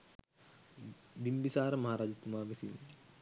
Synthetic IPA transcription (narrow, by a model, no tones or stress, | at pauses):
bimbisaːɾəmɐɦaːɾaːd͡ʒit̪ːumaːʋesin